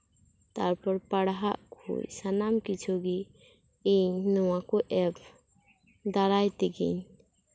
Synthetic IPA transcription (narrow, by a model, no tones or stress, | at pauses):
t̪aɾpɔɾpaɽɦaʔkʰṵjsanamkit͡ʃʰuɡi | iɲnɔwakuʔɛb | d̪aɾajt̪ɛɡḭɲ